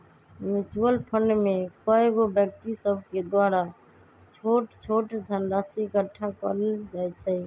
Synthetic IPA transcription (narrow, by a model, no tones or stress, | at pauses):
jud͡ʒuəlpʰəɳɖmekɔeɡobjək̚t̪isəbʱked̪waɾa | t͡ʃʰoʈt͡ʃʰoʈd̪ʱənɾasikəʈʰːakə̰ɾd͡ʒaɛt͡ʃʰɛ